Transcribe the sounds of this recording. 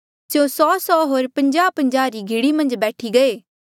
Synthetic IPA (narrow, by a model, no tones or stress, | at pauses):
sjoːsɔːsɔːɦoːɾpɐ̃ɲd͡ʒaːpɐ̃ɲd͡ʒaːɾiɡʱɪɽimɐ̃nd͡ʒbɛːʈʰiɡɐeː